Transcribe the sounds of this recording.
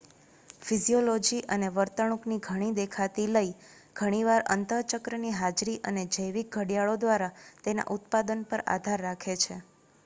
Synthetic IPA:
fiziolod͡ʒiʔəneʋəɾt̪əɽ̃ukniɡʱəɽ̃id̪ekʰat̪iləi | ɡ̥ʱəɽ̃iʋaɾə̰nt̪ət͡ʃəkɾəniɦad͡ʒɾiʔəned͡ʒəjʋik̚ɡʱəɽijaɭod̪ʋaɾat̪ena̰ʔut̪pad̪ənpəɾa̰d̪ʱaɾːakʰet͡ʃʰḛ

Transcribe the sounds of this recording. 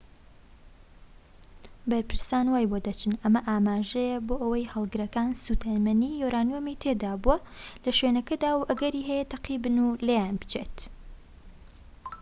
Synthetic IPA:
bɐɾpɨɾsaːnwaːjbod̪ɐt͡ʃʰɨnɐmɐʔaːmaːʒɛjɛboːʔɐwɐjhɐlˠɡɨɾɐkaːnsuːt̪ʰɐmɐniːjoɾaːnjomit̪ʰeːd̪aːbuɐlɐʃwenɐkɐd̪aːwʔɐɡɐɾiːɦɛjɛt̪ʰɐqiːbɨnulejaːnbɨ̥t͡ʃeːt̪

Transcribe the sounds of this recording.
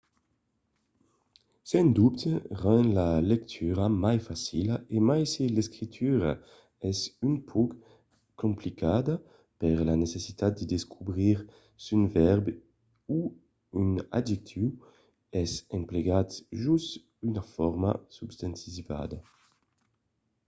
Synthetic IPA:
sɛnd̪upt̪ʁɔnlalɛk̚t̪ʰyʁamajfasilaʔemajselɛskʁit̪ʰyʁa̰ | ɛsynpʰɔk | kːomplikad̪a | pɛʁlanesesit̪at̪̚d̪əd̪eskʰubʁiʁ | synvɛʁb | u | yna̰dd͡ʒik̚t̪ʰiw | ɛsɛmpleɡat̪ʒust̪ | ynafɔʁma̰subst̪ant̪iva̰d̪a

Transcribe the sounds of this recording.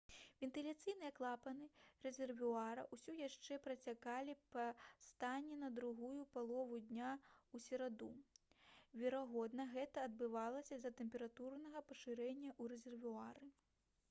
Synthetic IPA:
vʲɛnt̪ɨlʲat̪sɨjnɨjɛɐklˠapɐnɨrɛzʲɛrvuaɾɐ̰ʔusʲujaʂt͡ʂɛpɾɐt͡sʲakalʲipɐst̪anʲːɛnɐd̪ɾuɣujupalˠɔvud̪ʲnʲausʲɛɾad̪u | vʲɛɾaɣɔd̪nɐɣɛt̪ɐɐd̪bɨvalˠɐsʲɐzʲɐt̪ɛmʲpʲɛɾat̪urnɐɣɐpɐʂɨɾɛnʲːɐʔuɾɛzʲɛrvuaɾɨ

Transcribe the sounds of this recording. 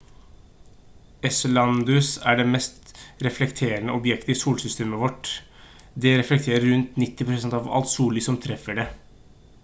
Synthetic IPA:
ɛslɑnd̪ʉsæɖɛmɛst̪ɾɛflɛkt̪ʰeːɾənəɔbjɛkt̪əɪsuːlsʏst̪eːməʋɔʈ | d̪ɛɾɛflɛk̚t̪ʰeːɾəɾɾʉnt̪nɪt̪ːɪpʰɾʊsɛnt̪ɑʋɑ̰lt̪suːlɪsɔmt̪ʰɾɛfəɖe

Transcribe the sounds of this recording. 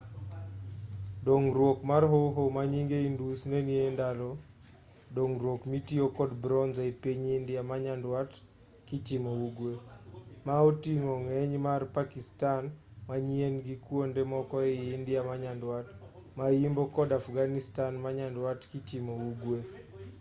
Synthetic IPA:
doŋɾwokmarɦoɦomaɲiŋɡeindusneniendalo | doŋɾwokmitiokɔdbɾɔnzaepiɲindɪamaɲandwat | kit͡ʃimouɡwemaotiŋoŋɛɲmarpakistanmaɲienɡikwondemɔkɔeːndɪamaɲandwat | majimbokɔdafɡanistanmaɲandwatkit͡ʃimouɡwe

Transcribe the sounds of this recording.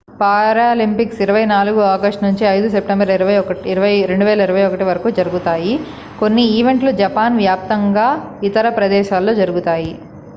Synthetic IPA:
paːɾaːlimpiksiɾɐʋɐjnaːluɡuaːɡɐsʈnuɲt͡ʃiɐjd̪us̬e̞p̚ʈembɐɾɾʋɐiɾɐʋɐjɾe̞ɳɖuʋɛːlɐiɾɐʋɐjɔkɐʈiʋɐɾɐkuːd͡ʒɐɾuɡut̪aːji | ko̞nːiiːʋe̞ɳʈlud͡ʒɐpaːnʋjaːp̚t̪ɐŋɡaː | it̪ɐɾɐpɾɐd̪ɛːʃaːlːoːd͡ʒɐɾuɡut̪aːji

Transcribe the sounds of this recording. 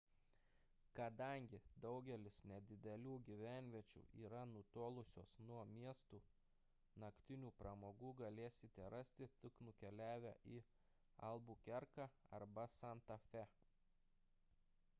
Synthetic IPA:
kɐd̪ɐŋʲɡʲɪd̪ɒʊɡʲɛlʲɪsnʲɛd̪ʲɪd̪ʲɛlʲuːɡʲiʋʲæˑnʲʋʲiɛt͡ʃʲṵːʔiːɾɐnʊt̪oːlˠʊsʲo̰ːsnuɔmʲiɛst̪uː | nɐkt̪ʲɪnʲuːpɾɐmoːɡuːɡɐlʲeːsʲɪt̪ʲɛɾɐsʲt̪ʲɪt̪ʲɪknʊkʲɛlʲæːʋʲæ̰ːʔi | ɐ̰lˠbuːkʲɛɾkɑɐ̰ɾbɐsɐnt̪ɐfʲɛ

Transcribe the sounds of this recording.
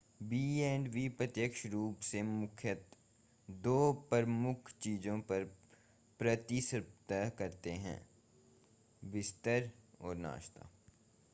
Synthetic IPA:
biːɛːɳɖʋipɾət̪jəkʃɾuːpsemʊkʰjət̪ | d̪oːpəɾmʊkʰt͡ʃiːd͡ʒõpɐɾ | pɾət̪isɾpt̪əɦkɐɾt̪eɦɛ̰̃ː | bɪst̪əɾɔːɾna̰ːʃt̪a̰ː

